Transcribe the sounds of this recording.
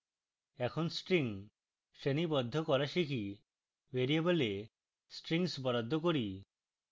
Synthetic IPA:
ɛkʰɔnsʈɾiŋ | senibɔd̪ʱːɔkɔɾaʃikʰi | weɾiebɔle | sʈɾiŋsbɔɾad̪ʱːɔkoɾi

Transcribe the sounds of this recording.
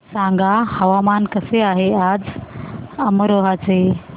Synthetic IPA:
sãŋɡahəʋamankəseaːɦead͡z | əməɾoɦat͡se

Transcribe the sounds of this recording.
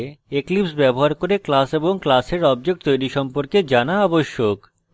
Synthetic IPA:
eklipsbɛboɦaɾkoɾeklaseboŋklaseɾɔbd͡ʑek̚ʈt̪ojɾiʃɔmpoɾked͡ʑanaɔboʃːok

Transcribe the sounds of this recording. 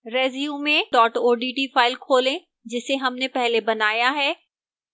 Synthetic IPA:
ɾeːzijumẽɖɔːʈoːɖiːʈiːfaːɪlkʰoːlẽ | d͡ʒɪseɦɐmnepɛɦlebɐnaːjaɦɛː

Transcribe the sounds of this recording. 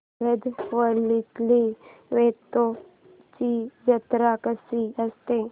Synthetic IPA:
ɾed̪ʋəɾlit̪liʋet̪o | t͡ɕid͡ʒət̪ɾakəsiəst̪e

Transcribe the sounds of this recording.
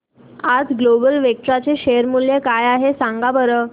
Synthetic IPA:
ad͡zɡlobəlʋek̚t͡ɕat͡seɕeəɾmuljekajaɦesãŋɡabəɾə

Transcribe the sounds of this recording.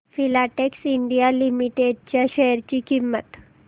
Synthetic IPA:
filaʈeksiɳɖijalimiʈeɖ̚t͡ɕjaɕɛɾt͡ɕiːkimːət̪

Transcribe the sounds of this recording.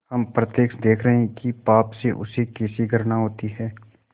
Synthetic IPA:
hɐmpɾət̪eːkʃd̪eːkʰɾəɦɛ̃kipaːpseʔʊ̰sekeːsiɡəɾnaɦoːt̪iɦɛː

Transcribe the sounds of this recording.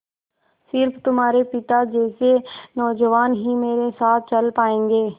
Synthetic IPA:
sɪɾpʰt̪ʊmɦaːɾepɪt̪ad͡ʒɛːsenɔːd͡ʒəʋaːnɦimeːɾesaːt̪̚ʰt͡ʃəlpaːẽːŋɡeː

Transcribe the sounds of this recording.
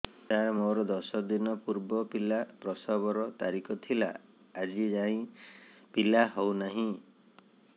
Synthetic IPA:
t̪amoɾɔd̪ɔsɔd̪inɔpuɾbɔpilapɾɔsabɔɾɔt̪aɾikɔt̪ʰila̰ː | d͡ʒid͡ʒaĩpilahownaɦĩ

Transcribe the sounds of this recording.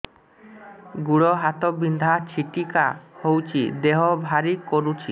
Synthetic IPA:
ɡuɽɔɦat̪ɔbind̪ʱat͡ʃʰiʈikahowt͡ʃʰid̪eɦɔbʱaɾikoɾut͡ʃʰi

